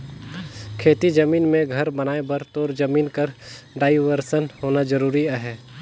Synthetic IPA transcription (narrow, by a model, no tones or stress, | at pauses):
kʰeːt̪id͡ʒəmiːnmẽɡʱɐɾbɐnaːebəɾt̪oːɾd͡ʒəmiːnkəɾɖaːɪʋəɾsənɦoːnad͡ʒəɾuːɾiaɦɛː